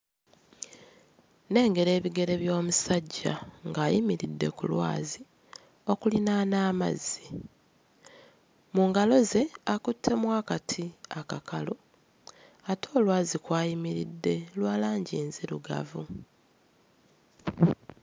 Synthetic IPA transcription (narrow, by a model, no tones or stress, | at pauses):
ne̞ːŋɡe̞ɾe̞ːβiɡe̞ɾe̞βjo̞ːmusaɟːa̰ŋɡaːjimiɾidːe̞̰kulwa̰ːzi | o̞kulinanaːma̰zːi | muːŋɡalo̞ze̞akutʰːe̞mwaːkatʰiakakʰalo | ato̞ːlwaːzikwaːjimiɾidːe̞lwaːlaːɲɟiːnziɾṵɡa̰vu